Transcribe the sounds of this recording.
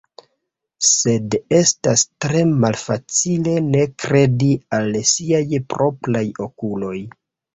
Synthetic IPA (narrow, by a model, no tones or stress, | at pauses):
se̞de̞stastɾe̞malfat͡sile̞ne̞kɾe̞dialsiajpɾo̞pɾajo̞kulo̞j